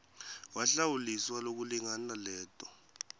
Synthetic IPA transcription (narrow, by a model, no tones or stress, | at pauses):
waɬawuliswalok̬uliŋanalɛːtʼɔ